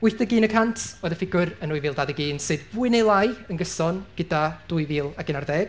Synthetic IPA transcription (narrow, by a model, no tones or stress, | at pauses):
ʊɨθdəɡiːnəkʰantʰɔðəfɪɡʊɾənujviːlˠdaːðəɡiːnsɨːdbʊɨnejlˠajənɡəsɔnɡ̥ɪdad̥uːɨviːlˠaɡɪnarðɛːɡ̥̚